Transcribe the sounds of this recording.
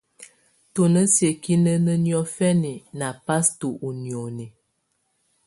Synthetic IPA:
to˨nə˦sje˨ki˦nə˦nə˦njɔ˦fɛ˦ni˨na˨pa˦sto˨ʔu˨njo˨ni˨

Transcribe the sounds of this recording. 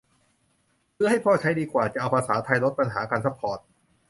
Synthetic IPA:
pʰɯ˥˩ɐha˥˩jpʰɔː˥˩t͡ɕʰa˦˥jdiː˧kwaː˨˩t͡ɕa˨˩ʔa˧wpʰaː˧saː˩˦t̪ʰa˧jlo˦˥t̪̚pa˧nɦaː˩˦kaː˧nsʰa˦˥pʰːɔː˨˩t̪̚

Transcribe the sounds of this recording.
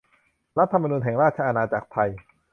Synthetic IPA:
ɾa˦˥t̪ʰːa˧ma˧nuː˧nɦɛː˩˦ŋɾaː˥˩t̚t͡ɕʰa˧a˧naː˧t͡ɕa̰ː˨˩k̚p̪ʰa˧j

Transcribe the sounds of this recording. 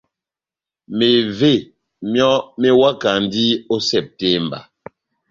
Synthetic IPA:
me˨ve˦˨ | mjɔ˦me˦wa˦ka˨n˦di˦o˦sɛ˨p̚te˦mba̰˨

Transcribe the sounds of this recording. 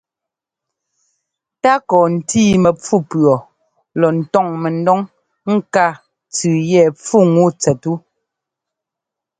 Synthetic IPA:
ta˦kɔː˨n̩˨tiː˦˨mɛ˨p͡fu˦pɰɔ˨ | lɔ˨n̩˨tɔ˦˨ŋmɛ˨n˦dɔ˦ŋ | ŋ̩˦ka˦˨ | t͡sʉː˨jɛ˦˨p͡fu˦˨ŋu˦˨t͡sɛ˨tu˦

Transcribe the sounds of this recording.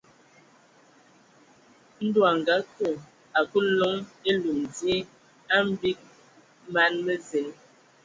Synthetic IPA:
n̩˦dwa˨ŋ˨ɡa˨˦ku˦˨ | a˨ku˦lo˦ŋe˦lu˨mdje˦ | a˦m̩˦bi˦k̚ | ma˦nmə˦ze˨l

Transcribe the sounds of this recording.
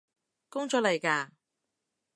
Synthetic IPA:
kʊ˥ŋt͡ʃɔː˨˥lɐ˨˩jkaː˧

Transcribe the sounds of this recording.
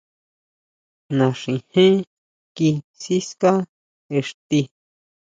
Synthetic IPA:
nã˧ʂĩ˨˧hẽ˦ | ki˧si˦ska˦ | e˨ʂt̪i˧

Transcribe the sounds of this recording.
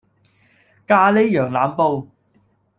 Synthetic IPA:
kaː˧le˥jœː˨˩ŋlaː˨˧mpo˧w

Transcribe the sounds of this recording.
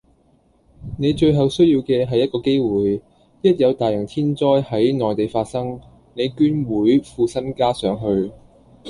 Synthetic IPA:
ne˨˧jt͡ʃɵ˧ɥɦɐ˨wsɵ˥ɥjiː˧wkɛː˧ɦɐ˨jːɐ˥t̚kɔː˧ke˥jwuː˨j | jɐ˥t̚jɐ˨˧wt̪aː˨˩jɐ˨˩ŋt̪ʰiː˥nt͡sɔː˥jhɐ˨˥jnɔː˨˩jt̪e˨jfaː˧t̚sɐ˥ŋ | ne˨˧jkyː˥nwuː˨˥jfuː˨˧sɐ˥nkaː˥sœː˨˥ŋɦɵ˧ɥ

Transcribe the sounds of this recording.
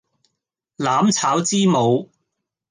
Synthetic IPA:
laː˨˥mt͡sʰaː˨˥wt͡siː˥mo˨˧w

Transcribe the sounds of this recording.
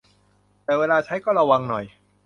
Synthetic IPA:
t̪ɛː˨˩weː˧laː˧t͡ɕʰa˦˥jkɔː˥˩ɾa˧wa˧ŋnɔ˨˩j

